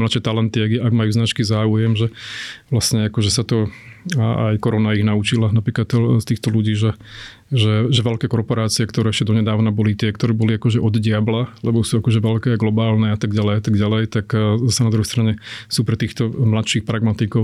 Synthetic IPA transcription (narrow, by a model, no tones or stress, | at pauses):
mlat̪ʃɛt̪alɛnt̪iaɡaɡmajuːznat͡ʃkizaːujɛmʒɛʋlasɲɛakɔʒɛsat̪ɔaa̰jkɔɾɔnaiɣnaut͡ʃilanapɾiːklat̪st̪iːxt̪ɔluɟiːʒɛ | ʒɛʒɛʋɛlkɛːkɔɾpɔɾaːt͡siɛkt̪ɔɾɛːɛʃcɛd̪ɔɲɛd̪aːʊnabɔlit̪ɪɛkt̪ɔɾɛːbɔliakɔʒɛʔɔd̪ɟɪablalɛbɔsuːakɔʒɛʋɛʎkɛːaɡlɔbaːlnɛat̪aɡɟalɛjat̪aɡɟalɛjt̪akzasɛnad̪ɾuɦɛjst̪ɾaɲɛsuːpɾɛt̪iːxt̪ɔmlat̪ʃiːxpɾaɡmat̪ikɔ